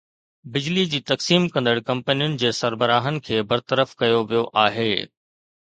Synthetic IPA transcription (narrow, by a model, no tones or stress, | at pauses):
bɪd͡ʑlid͡ʑiːt̪ɐksiːmkɐ̃nd̪əɽkɐ̃mpənijʊnɪ̆d͡ʑeːsɐɾbəɾaːɦənɪ̆kʰeːbɐɾt̪əɾəfkɐjoʋijoʔaːɦeː